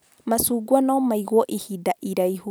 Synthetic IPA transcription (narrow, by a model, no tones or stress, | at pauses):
masuɡwanɔmaiɣɔʔihidaʔiɾajhu